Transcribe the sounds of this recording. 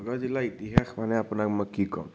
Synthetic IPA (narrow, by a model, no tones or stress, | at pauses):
ɡad͡ʒilait̪iɦaxmanɛapnakməkikɔ̰m